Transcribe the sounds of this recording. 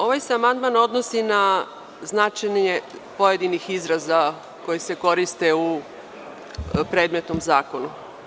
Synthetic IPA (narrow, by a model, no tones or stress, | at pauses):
o̞ʋajseamand̪̚mano̞d̪nosina | znat͡ʃaɲepo̞je̞d̪inixizɾaza | ko̞jese̞ko̞ɾist̪e̞u | pɾe̞ːd̪me̞t̪nomzaːko̞nu